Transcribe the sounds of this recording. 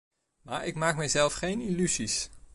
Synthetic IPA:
maːɹɪkmaːk̚mɛjzɛlˠfχejnilyzis

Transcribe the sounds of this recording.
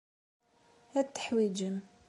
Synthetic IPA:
hæd̪̚t̪ːə̥ħwid͡ʒəm

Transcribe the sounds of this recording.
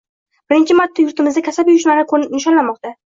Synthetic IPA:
b̥ɪɾɪnt͡ʃʰɪmat̪ʰːajʊɾt̪ɪmɪzd̪akʲʰasapjʊʃmaɾnɪqʰoɪnɪʃɒnlanmɒq̚t̪a

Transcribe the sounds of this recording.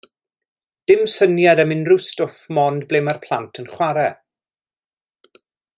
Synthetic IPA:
d̥ɪmsənjadəmɪnrustʊfmɔndblemarpʰl̥ˠa̰ntʰənχwaɾɛ

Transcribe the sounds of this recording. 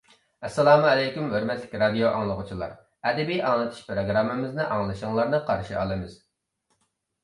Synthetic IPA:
ɛsːɛlˠɑːmuɛlɛjkʲymhøɾmɛt̪lɪkʲɾɑd̪ijoʔɑŋlˠəʁʊt͡ʃʰilˠɑ̰ɾ | ɛd̪ɛbijʔɑŋlˠɨt̪ʰu̥ʃpɾoɡɾɑmːɨmɪznɨʔɑŋlˠɨʃɨŋlˠɑɾnɨqʰɑɾʃiʔɑ̰lˠɨmɨz̥

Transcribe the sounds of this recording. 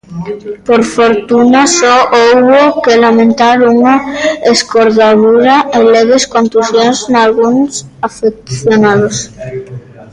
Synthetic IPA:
poɾfoɾt̪unasoʔowβokelamẽnt̪aɾuŋaeskoɾðaðuɾaeleɣeskõnt̪uθjonznalɣunsafek̚θjonaðos

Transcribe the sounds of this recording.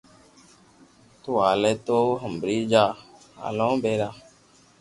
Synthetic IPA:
t̪ʊaːleːt̪oːɦəmbɾiːd͡ʒaː | a̰ːlõːbeːɾaː

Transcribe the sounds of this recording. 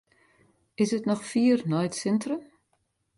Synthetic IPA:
ɪsətnɔxfiːərnɔjtsɪntrəm

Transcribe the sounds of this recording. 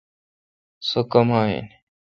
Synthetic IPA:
sokɐmaːḛn

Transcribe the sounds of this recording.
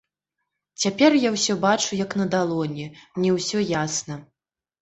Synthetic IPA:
t͡sʲapʲɛrjawsʲɔbat͡ʂujɐknɐd̪alˠɔnʲɛnʲɛwsʲɔjasnɐ

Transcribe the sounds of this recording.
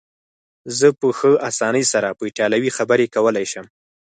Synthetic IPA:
zəpəxəʔasɑnəjsaɾapəɪʈjɑlawixabəɾekawəlajʃəm

